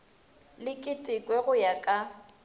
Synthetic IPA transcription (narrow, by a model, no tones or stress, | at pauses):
lɪkʼɪtʼɪkʼwɛɣʊjakʼa